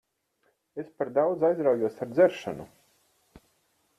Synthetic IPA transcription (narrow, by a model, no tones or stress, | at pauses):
espaɾd̪awd̪zajzɾawjuɔsaɾd̪zɛɾʃa̰nṵ